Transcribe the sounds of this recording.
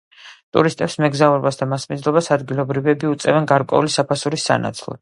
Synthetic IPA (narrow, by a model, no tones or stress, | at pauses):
t̪ʼṵɾist̪ʼɛpsmɛɡzauɾɛbasd̪amasmid̪zlˠɔbasad̪ɡilˠɔbɾivɛbiut̪sʼɛvɛnɡaɾkʼwɛ̰ulisapʰasuɾisa̰na̰t̪sʰlˠɔ̰̥